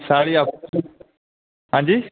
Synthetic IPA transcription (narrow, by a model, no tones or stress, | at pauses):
saːɽiap | ɦãːɲd͡ʑiː